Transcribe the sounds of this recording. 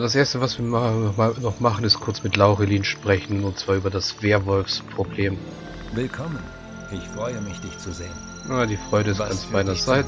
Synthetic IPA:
d̥asʔeːɐstəvasv̥iːɐaɔχmaːlnɔχmaχn̩ɪstkʰʊɐt͡smɪtlaʊʁeliːnʃpʁ̥ɛçn̩ʊntt͡sv̥aːɐyːbɐdasv̥eːɐvɔlfspʁ̥obleːm | vɪlkʰɔmən | ɪçfʁ̥ɔʏəmɪçd̥ɪçt͡suzeːən | aːdiːfʁ̥ɔʏɾəɪstɡansb̥aɪnɐzaɪt

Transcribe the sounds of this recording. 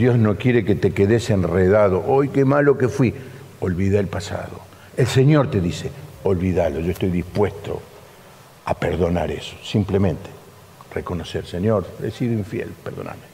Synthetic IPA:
d̪jo̞znokje̞ɾeket̪ekeðesenreðaðo̞ʔojkemalo̞kefwi | olβiðeelpasa̰ðo̞̰ | elseɲo̞ɾt̪e̞ðiseolβiðalo̞ʒo̞est̪o̞jðispwest̪o̞̰ | apeɾðo̞na̰ɾeso̥simplemẽnt̪e̥ | reko̞noseɾseɲoɾd̪ḛsiðoĩɱfjḛlpeɾðo̞̰na̰ɾme

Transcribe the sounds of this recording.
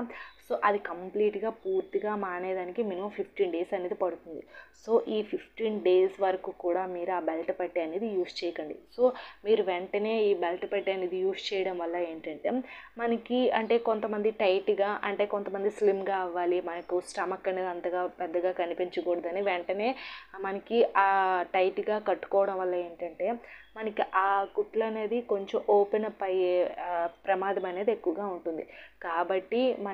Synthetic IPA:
so̞ːʔɐd̪ikɐmpliːʈɡaːpuːɾt̪iɡaːmaːnɐjɐd̪aːnikiminiupʰipʰʈiːnɖe̞ːsɐneːd̪ipɐɽut̪und̪iso̞ːʔiːpʰipʰʈiːnɖe̞ːsʋɐɾɐkuːkuːɽaːmiːɾuaːbelʈɐpɐʈːiɐneːd̪ijuːst͡ʃɛːjɐkɐɳɖḭso̞ːmiːɾuʋɛɳʈɐne̞ːiːbelʈpɐʈːiɐneːd̪ijuːst͡ʃɛːjɐɽɐmʋɐlːɐeːɳʈɐɳʈe̞̰ːmɐnɐkiɐɳʈe̞ːko̞nt̪ɐmɐnd̪iʈɐjʈɡaːʔɐɳʈe̞ːkont̪ɐmɐnd̪islimɡaːiʋːaːlimɐnɐkusʈɐmɐkːɐɳɐɐnd̪ɐɡaːpɛd̪ːɐɡaːkɐnipiɲt͡ʃɐkɔːɽɐd̪ɐniʋɛɳʈɐne̞ːmɐnɐkiʔaːʈɐjʈɡaːkɐʈːu̥kɔːʋɐɽɐmʋɐlːɐe̞ːɳʈɐɳʈe̞ːmɐnɐkiʔaːkuʈlɐne̞ːd̪iko̞ɲt͡ʃomʔoːpenɐpɐj | pɾɐmaːd̪ʱɐmɐne̞ːd̪iekːuʋɐɡaːuɳʈund̪ikaːbɐʈːimɐ

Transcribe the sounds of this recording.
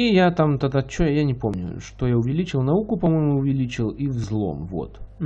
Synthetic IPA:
ijat̪amt̪ɐd̪at͡ʃːɔjɐjanʲɪpɔmnʲʊ̰ʂt̪ɔjaʊvʲɛlʲit͡ʃɨlˠnaukʊpɐmɔjmʊːvʲɛlʲit͡ʃɨlˠiwvzlˠɔ̰mvɔ̰t̪

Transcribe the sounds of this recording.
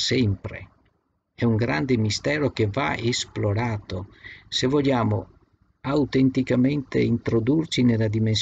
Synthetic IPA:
sɛmpɾḛ | ɛuŋɡɾand̪emist̪ɛːɾok̟eva̰esploɾaːt̪osevɔʎːaːmo | awt̪ent̪ikament̪ḛint̪ɾod̪urt͡ʃinelad̪imens

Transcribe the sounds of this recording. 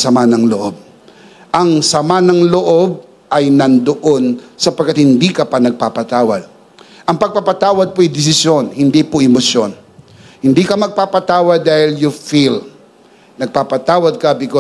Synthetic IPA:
sɐmanɐŋloʔob̚ | ʔɐŋsɐmanɐŋloʔob̚ | ʔɐjnɐnd̪oʔonsɐpɐɡ̚kːat̪̚hɪnd̪ikɐpanɐɡ̚papɐt̪aːwɐ̰d̪̚ | ʔɐŋpɐɡ̚papɐt̪aːwɐd̪̚poɪd̪ɛs̬ɪsjo̞nhɪnd̪ipoʔɪmosjon | hɪnd̪ikɐmɐɡ̚papɐt̪aːwɐd̪̚ːaːhɪljʊfil | nɐɡ̚papɐt̪aːwɐd̪̚kɐbɪko

